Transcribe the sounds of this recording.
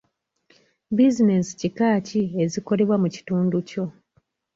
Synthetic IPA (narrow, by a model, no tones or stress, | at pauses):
bizine̞si̥cikaːcie̞ziko̞le̞βwamuci̥tuːnduco̞